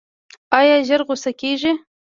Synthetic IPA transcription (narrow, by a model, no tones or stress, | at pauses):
ɑjɑʒəɾɣosakeʒi